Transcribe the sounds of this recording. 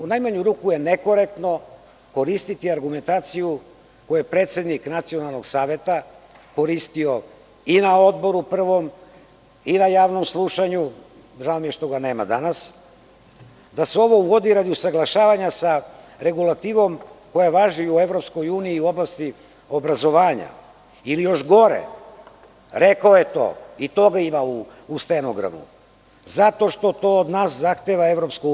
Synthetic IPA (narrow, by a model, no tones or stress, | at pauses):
unajmaɲuɾuːkuje̞neko̞ɾe̞k̚t̪no̞ | ko̞ɾist̪it̪iaɾɡume̞nt̪aːt̪siju | ko̞juepɾe̞ːt̪se̞d̪niknat̪sio̞nalˠnoɡsaːʋe̞t̪a | ko̞ɾist̪io̞ | inao̞d̪bo̞ɾupr̩ʋo̞m | inajaːʋno̞mslˠuʃaɲu | ʒaomje̞ʃt̪o̞ɡane̞ːma̰d̪anas | d̪aseo̞ʋo̞uʋo̞d̪iɾad̪iusaɡlˠaʃaːʋaɲasa | ɾe̞ɡulˠat̪iːʋo̞mko̞jaʋaʒiue̞vɾo̞psko̞juːniːuo̞blast̪i | o̞bɾazo̞ʋaːɲa̰ | ilijo̞ʃɡo̞ɾḛ | ɾe̞kaojet̪o̞̰ːit̪o̞ɡaimauː | st̪enoɡɾa̰mṵ | zat̪o̞ʃt̪o̞t̪o̞ːod̪naːszaxt̪eʋae̞vɾo̞psku